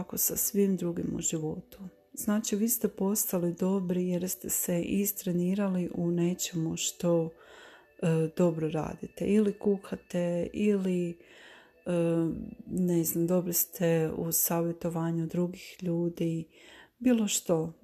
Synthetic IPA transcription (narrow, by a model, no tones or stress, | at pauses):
akosasʋimd̪ɾuɡimṵʒiʋo̞t̪u̥ | z̥naːt͡ʃiʋiːst̪e̞po̞st̪alid̪o̞bɾije̞ɾst̪e̞seʔist̪ɾeniːɾaliʔune̞t͡ʃe̞muʃt̪o̞ | d̪̥o̞bɾoɾa̰ːd̪it̪ḛʔilikuːxat̪e̞ili | ə | neznamd̪o̞bɾist̪ʰe̞usaːʋje̞t̪o̞ʋaːɲud̪ɾuɡixʎuːd̪ibiːlˠo̞ʃt̪o̞